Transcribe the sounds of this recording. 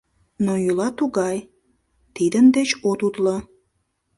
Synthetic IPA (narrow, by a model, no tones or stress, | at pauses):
nojulɑt̪uɣɑj | t̪id̪ənd̪et͡ɕot̪ut̪lə